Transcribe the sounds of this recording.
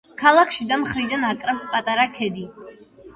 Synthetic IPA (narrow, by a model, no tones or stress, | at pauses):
kʰalˠakʰʃid̪amχɾid̪anakʼɾafspʼat̪ʼaɾakʰɛd̪i